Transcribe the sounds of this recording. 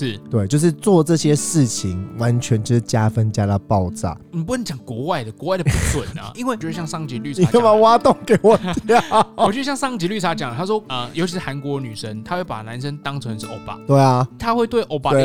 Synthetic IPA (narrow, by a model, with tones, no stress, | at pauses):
ʂɻ̩˥˩t̪we˥˩ɪt͡ɕjo˥˧ʊʂɻ̩˥˧t͡swɔ˥˨˧ʈ͡ʂɤ˥˨ɕjɛ˦ʂɻ̩˥˩t͡ɕʰi˨˦ŋwa˧˦nt͡ɕʰɥɛ˧˥nʈ͡ʂ̩˥˩t͡ɕja˥fə˦nt͡ɕja˥˩lə˨pɑ˥˧ʊt͡sa̰˥˩ni˨˩pu˥nə˧˦t͡ɕjɑ˨˩ŋkwɔ˧˥wa˥˩ɪd̪ə˩kwɔ˧˦wa˥˩ɪdə˨u˥˩swə˨˩nɐ̰˨˩i˥nwe˥˩˨o˥˧˥ɕjɑ˥˧ŋʂɑ˥˧ŋt͡ɕi˧˥ly˥˩ni˨˥jma˨˧˦wa˦t̪ʊ˥˨˩ŋke˨˩˦ɪwɔ˨˩˥t͡ɕo˥˧˥ɕjɑ˥˧ŋsɑ˥ŋt͡ɕi˧˥ly˥˩a˧˥t͡ɕjɑ˨˩ŋlə˦t̪ʰa˥ʂ̬wɔ˥ə˧jo˧˥ʊt͡ɕʰi˧ʂɻ̩˥˩a˧˥nkwɔ˧˥ny˨˩ʂə˦ŋt̪ʰa˥xwe˥˩ɪpa̰˨˩na˧˥nʂə˦nt̪ɑ˥ŋt͡sʰwə˧˦nʂ̩ʰ˥˩ʔo˥˧˩ʊpa̰˨˩t̪we˥˩ɪɐ˨t̪ʰa˥xwe˥˧ɪt̪we˥˧ɪʔo˥˩ʊpa˨we˥˨˩